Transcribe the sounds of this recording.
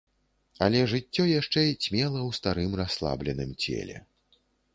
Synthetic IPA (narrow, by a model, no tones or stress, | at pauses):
ɐlʲɛʐɨt͡sʲːɔjaʂt͡ʂɛsʲmʲɛlˠɐwst̪aɾɨmraslˠa̰blʲɛnɨmt͡sʲɛ̰lʲɛ̰